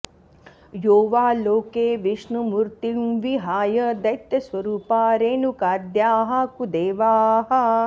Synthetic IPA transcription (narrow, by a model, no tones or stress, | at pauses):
joːʋaːloːkeːʋiʂnumuɾt̪imʋiɦaːjɐd̪ɐjt̪jɐsʋɐɾuːpaːɾeːnukaːd̪jaːɦɐ̆kud̪eːʋaːɦɐ